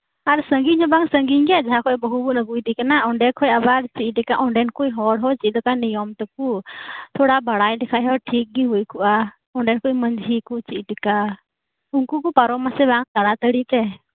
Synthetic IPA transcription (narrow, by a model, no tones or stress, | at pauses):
aɾsəŋɡiɲɦɔbaŋsəŋɡiɲɡad͡ʒaɦakʰɔʔjbɔɦubunəɡujd̪ikanaɔɳɖɛkʰɔjabaɾt͡ʃiʔʈɛkaʔɔɳɖɛnkujɦɔɽɦɔt͡ʃilɔkanijɔmt̪ɔkut̪ʰɔɽabaɽajɖɛkʰaʔɦɔʈʰik̚ɡiɦujkʰuʔa | ɔɳɖɛnkuimənd͡ʒʱɦikut͡ʃiʔʈika | unkukupaɾɔmasɛbaŋt̪aɽat̪əɽit̪ɛ